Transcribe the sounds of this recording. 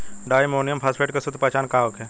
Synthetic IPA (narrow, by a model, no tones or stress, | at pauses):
ɖaːjmoːnijəmpʰaːspʰeːʈkesʊd̪ʱpat͡ʃaːnkaːʋəkɦɛː